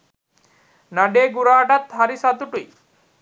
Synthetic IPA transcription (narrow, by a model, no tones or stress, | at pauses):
naɖeɡuɾaːʈat̪ɦaɾisat̪uʈuj